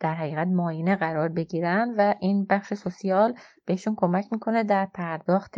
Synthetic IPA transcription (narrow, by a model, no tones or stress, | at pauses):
d̪̥æɾɦæɣiːɣæt̪mɒːjiːneɣæɾɒːɾbe̞ɟiːɾænvæʔinbæχʃesosijɒːlb̥e̞heʃunkʰo̞mæcʰmiːkʰo̞ned̪æɾpʰæɾd̪̥ɒːxt̪